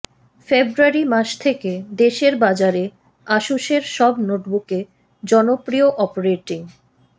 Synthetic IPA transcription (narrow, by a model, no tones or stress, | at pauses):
febɾuaɾimaʃt̪ʰeked̪eʃeɾbad͡ʑaɾe | aʃuʃeɾʃɔbnoʈbuke | d͡ʑɔnopɾioʔɔpoɾeʈiŋ